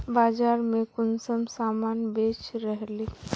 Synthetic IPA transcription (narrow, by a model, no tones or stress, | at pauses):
baːd͡ʒaːɾmekʊnsəmsaːmaːnbet͡ʃɾəɦli